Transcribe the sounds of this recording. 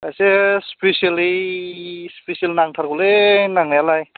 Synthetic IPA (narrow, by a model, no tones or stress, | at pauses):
ajsespesijalej | spesijalnaŋtʰaɾkulenaŋajalaj